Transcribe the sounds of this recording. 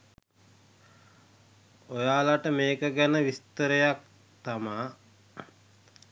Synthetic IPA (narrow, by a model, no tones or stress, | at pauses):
ojaːlaʈəmeːkəɡænəʋist̪əɾejak̚ | t̪amaː